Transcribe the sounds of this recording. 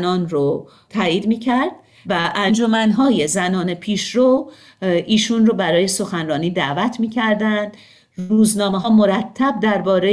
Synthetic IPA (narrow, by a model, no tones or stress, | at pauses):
nɒːnro | t̪ʰæːjiːd̪miːcʰæɾd̪̥̚ | væʔænd͡ʒo̞mænɦɒːjezænɒːnepʰiːʃɾo | ʔiːʃunrobæɾɒːje̞so̞xænrɒːniːd̪æʔvæt̪ʰmiːcʰæɾd̪ænd̪̥ | uːznɒːmeɦːmoɾæt̪ʰːæb̚d̪æɾbɒːɾe